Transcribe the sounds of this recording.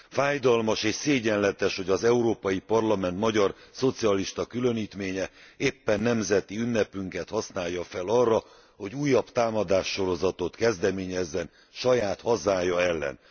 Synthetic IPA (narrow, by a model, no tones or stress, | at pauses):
faːjd̪ɒlmɒʃeːʃseːɟɛnlɛt̪ɛʃho̞ɟɒzɛuɾoːpɒjipɒrlɒmɛnt̪mɒɟɒrso̞t̪siɒliʃt̪ɒkylø̞niːt̪meːɲɛeːpːɛnːɛmzɛt̪iynːɛpyŋkɛt̪hɒsnaːjːɒfɛlɒrːɒ | ho̞ɟuːjːɒpt̪aːmɒd̪aːʃːo̞ɾo̞zɒt̪o̞t̪kɛzd̪ɛmeːɲɛzːɛn | ʃɒjaːt̪hɒzaːjɒɛlːɛ̰n